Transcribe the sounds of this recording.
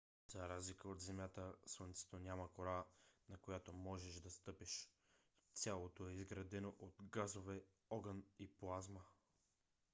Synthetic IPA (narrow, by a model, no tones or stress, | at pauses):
zaɾazlikəot̪zɛmʲjat̪əslˠont̪sɛ̥t̪onʲamɐkoɾanɐkojat̪omɔʒɛʃd̪ɐst̪ɤpiʃ | t̪sʲjalˠot̪oɛizɡɾɐd̪ɛnoʔot̪ɡazovɛ | ɔɡəniplˠazmə